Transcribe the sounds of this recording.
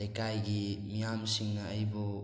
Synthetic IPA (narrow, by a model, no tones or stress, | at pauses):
ejkajɡimijamsiŋnɐːjbɯ